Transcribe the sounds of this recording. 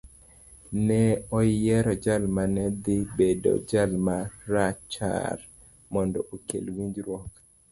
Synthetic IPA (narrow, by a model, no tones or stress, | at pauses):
nɛɔjɛɾɔd͡ʒalmanɛd̪ɪbedo̰d͡ʒalmaɾat͡ʃa̰r | mɔndɔʔokḛlwiɲd͡ʒɾwɔk